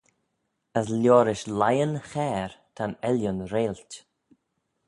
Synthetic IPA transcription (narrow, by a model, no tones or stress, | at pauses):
əs̬lʲjɔːɾɪʃlajənxɛːɹt̪ʰanɛljʊnɾeːlt